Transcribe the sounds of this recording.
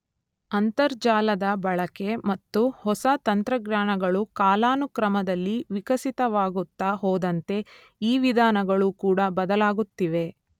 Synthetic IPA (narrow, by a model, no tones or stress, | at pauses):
ɐnt̪ɐɾd͡ʒaːlɐd̪ɐbɐɭɐke̞mɐt̪ːuhɔsɐt̪ɐnt̪ɾɐɡnaːɳɐɡɐɭukaːlaːnukɾɐmɐd̪ɐlːiʋikɐsit̪ɐʋaːɡut̪ːaɦoːd̪ɐnt̪e̞ | iːʋid̪ʱaːnɐɡɐɭukuːɽɐbɐd̪ɐlaːɡut̪ːiʋe̞